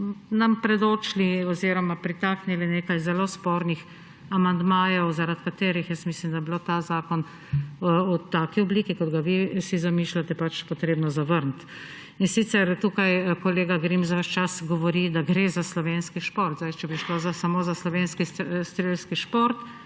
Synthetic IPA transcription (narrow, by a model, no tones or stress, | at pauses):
nampɾɛd̪oːt͡ʃliɔziːɾɔmapɾit̪aknilineːkajzɛloːspoːɾnix | amand̪maːjɔwzaɾat̪kat̪eːɾixjəst̪mislimd̪ajɛbilot̪azaːkɔn | ut̪aːkiɔbliːkikɔd̪ɡaʋisizamiːʃlat̪ɛpat͡ʃpɔt̪ɾeːbnɔzaʋəɾnt̪ | insit̪sɛɾt̪uːkajkɔleːɡaɡɾimsaʋəʃt͡ʃasɡɔʋɔɾid̪aɡɾeːzaslɔʋeːnskiʃpoːɾt̪zdajt͡ʃɛbiʃlozasamoːzaslɔʋenskist̪ɾelskiʃpoɾt̪